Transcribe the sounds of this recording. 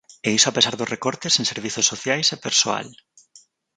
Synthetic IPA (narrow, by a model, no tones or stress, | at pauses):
eisoapesaɾðosrekoɾt̪esẽŋseɾβ̞iθosːoθjajsepeɾsoa̰l